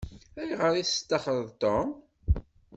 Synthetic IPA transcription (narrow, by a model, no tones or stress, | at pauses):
æjʁəɾiθt̪ːɑχəðˤt̪om